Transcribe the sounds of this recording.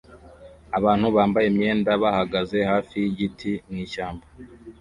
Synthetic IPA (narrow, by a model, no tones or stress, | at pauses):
aβaːn̥huβaːmbajemɲe̞ːndaβahaɡaze̞haːfijiɟitʰiniːʃaːmba